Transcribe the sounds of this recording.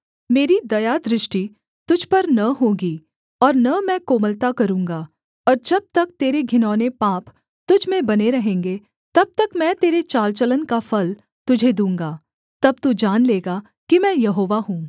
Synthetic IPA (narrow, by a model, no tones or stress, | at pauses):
meːɾid̪ɐjad̪ɾɪʃʈi | t̪ʊd͡ʒʱpɐɾnɐɦõːɡi | ɔːɾnɐmɛ̃koːməlt̪akɐɾũːŋɡa | ɔːɾd͡ʒɐb̚t̪ɐk̚t̪eːɾeɡʱɪnɔːnepaːp | t̪ʊd͡ʒʱmẽbɐneɾɐɦẽːŋɡe | t̪ɐb̚t̪ɐkmɛ̃ːt̪eːɾet͡ʃaːlt͡ʃələnkafʰɐl | t̪ʊd͡ʒʱed̪ũːŋɡaː | t̪ɐb̚t̪ud͡ʒaːnleːɡa | kimɛ̃ːjɐɦoːʋaɦũː